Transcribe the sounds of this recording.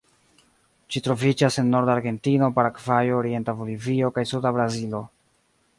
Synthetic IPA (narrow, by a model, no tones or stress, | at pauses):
d͡ʒitɾo̞vid͡ʒase̞nːo̞ɾdaɾɡe̞ntino̞paɾakvajoːɾie̞ntabolivio̞kajsudabɾazilo̞